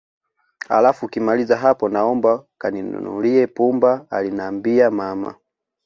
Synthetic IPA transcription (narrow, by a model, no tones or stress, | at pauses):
ha̰lafukimalizaɦapɔnaɔmbakaninṵnṵliɛpumbaalinambiamama̰